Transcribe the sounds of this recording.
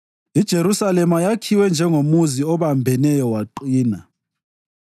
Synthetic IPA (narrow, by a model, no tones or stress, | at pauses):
id̥ʒ̥ʱeɾusalɛmajakʰiwɛnd͡ʒʱɛŋomuziɔβambʱɛnɛjɔwaǃiːna